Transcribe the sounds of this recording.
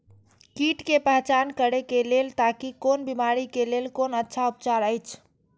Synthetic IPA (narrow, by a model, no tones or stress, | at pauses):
kiʈkepəɦt͡ʃankəɾekelelt̪akikonbimaɾikelelkonətːʃʰaupt͡ʃaɾəjt͡ʃʰ